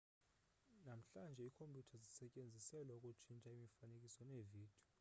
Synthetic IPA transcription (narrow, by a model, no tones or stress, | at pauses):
nam̩ɬand͡ʒʱɛikʰompʰʼutʰazisɛcʼend͡zʱisɛlaukʼut͡ʃʰint͡ʃʼaimifanekʼisɔneviːd̥ʱiɔ